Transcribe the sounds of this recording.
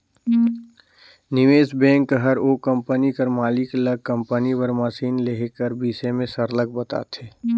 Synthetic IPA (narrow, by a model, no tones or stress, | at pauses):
nɪʋeːsbɛ̃ːŋkːəɦəɾoːkə̃mpənikəɾmaːlikləɡ̚kə̃mpənipəɾməsiːnleɦkəɾbiːsemẽsəɾləɡ̚bət̪a̰ːt̪ʰeː